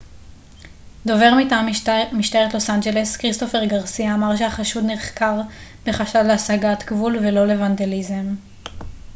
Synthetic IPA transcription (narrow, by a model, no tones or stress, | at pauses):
d̪o̞ve̞ʁmitaːmmiʃtaeʁet̪lo̞sand͡ʒe̞le̞skʁisto̞fe̞ʁɡaʁsiaːmaʁʃehaχaʃud̪niʁχkaʁb̥e̞χaʃalleasaɡat̪kvulve̞lo̞le̞vande̞lizem